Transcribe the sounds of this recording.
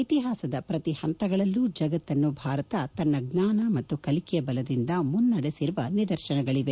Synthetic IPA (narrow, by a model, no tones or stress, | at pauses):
it̪iɦaːsɐd̪ɐpɾɐt̪ihɐnt̪ɐɡɐɭɐlːud͡ʒɐɡɐt̪ːɐnːubʱaːɾɐt̪ɐt̪ɐnːɐɡnaːnɐmɐt̪ːukɐlikɛjɐbɐlɐd̪ind̪ɐmunːɐɽesiɾuʋɐnid̪ɐɾʃɐnɐɡɐɭiʋe